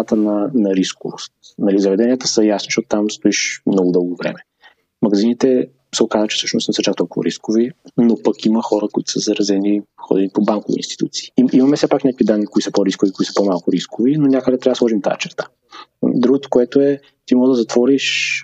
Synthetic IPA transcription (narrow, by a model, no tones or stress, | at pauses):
at̪ənɐnɐɾiskovo̰st̪nɐlizɐvɛd̪ɛnijət̪ə̥səjasnoʃt̪ɔt̪ot̪amst̪oiʃmnɔɡod̪ɤlˠɡovɾɛ̰mɛ | mɐɡɐzinit̪ɛ | sɛokazvət͡ʃɛfsɤʃno̰sɛsət͡ʃakt̪ɔlˠkʊvə̰ɾiskovinopɐkiməxɔɾəkoit̪ʊ̥səzɐɾɐzɛnixɔ̰d̪ɛnipobankovḭḭnst̪i̥t̪ut̪si̥ːiimɐmɛfsɛpaknʲakovid̪anːikoʊisəpoɾiskʊvikoisə̥pɔmalˠkʊɾiskovinonʲakəd̪ɛd̪t̪ɾavd̪slˠɔʒimt̪a̰ɛ̰t͡ʃɛɾt̪ḁ | d̪ɾuɡʊt̪o̥koɛt̪oɛ | t̪imɔlˠod̪əzɐt̪vɔɾiʃ